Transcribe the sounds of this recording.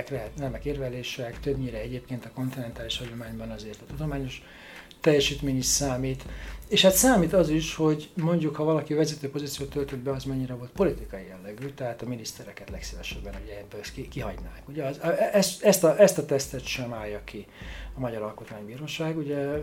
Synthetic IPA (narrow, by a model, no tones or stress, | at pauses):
knɛɦɛt̪nɛmɛkeːrvɛleːʃɛkt̪øbɲiɾɛɛɟeːpkeːnt̪ɒko̞nt̪inɛnt̪aːliʃhɒɟo̞maːɲbɒnɒzeːrt̪ɒt̪ud̪omaːɲo̞ʃ | t̪ɛjːɛʃiːt̪meːɲiʃsaːmiːt̪eːʃhat̪saːmiːt̪ɒziʃho̞ɟmo̞ɲɟukhɒvɒlɒkivɛzɛt̪øːpo̞zit̪sijoːt̪ːølt̪ød̪bɛɒzmɛɲːiɾɛvo̞lt̪po̞lit̪ikɒjijɛlːɛɡyt̪ɛɦaːt̪ɒminist̪ɛɾɛkɛt̪lɛksivɛʃɛbːɛnuɟɛɛbːøkikiɦɒɟnaːŋkuɟɛzɛsɛst̪ɒʔɛst̪ɒt̪ɛst̪ɛt̪ʃɛmaːjɒki | ɒmɒɟɒɾɒlko̞t̪maːɲbiːɾoːʃaːɡuɟɛ